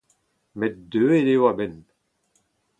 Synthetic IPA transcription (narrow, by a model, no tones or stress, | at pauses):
mɛt̚døːedewabɛn